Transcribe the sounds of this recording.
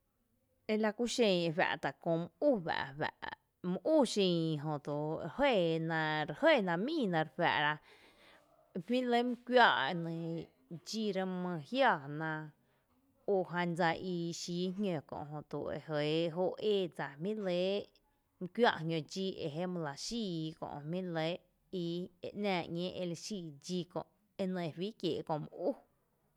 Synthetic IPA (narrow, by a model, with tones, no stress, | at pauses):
e˧la˧kʷu˦ʃẽ˧˨e˧βæ̰˧ʔt̪a˨kõ˧m˧u˦˨βæ̰˨ʔwæ̰˧˨ʔ | mə̃˧ʔu˦˨ʃĩ˧ɦõ˨t̪u˨ɾhe˦˨nã˧ɾe˧hə˦˨nã˧mĩː˦˨nã˧ɾɸæ̰˧˨ʔɾa˧ | hmĩ˦le˦m̃˦kʷwja˦˧ʔnẽ˧ | d͡ʒiː˦˧ɾə˧mə̃˧hja˦˧˨nã˧ | o˧˨ɦã˧nd͡za˧ʔi˧ʃiː˨˦ɦŋʲõ˧˨kõ̰˧˨ʔɦõ˧˨t̪ṵ˨ḛ˨ɦə˨ɦo˧eː˦˧˨d͡za˨mĩ˦le˨˦ | m̩˧kʷwja̰˧ʔhɲʲõ˧d͡ʒi˦˧ḛ˨ɦe˦mə̃˧la˨ʃiː˦˧kõ̰˧˨ʔmĩ˦le˦ | i˧˨ḛ˧˨ʔnãː˧˨ɲẽː˦ʔe˧le˧ʃiː˧˨d͡ʒi˧kõ̰˧˨ʔ | e˧nə̃˧˨˧wiː˦kjeː˨˧kõ˧ʔm˧ʔu˦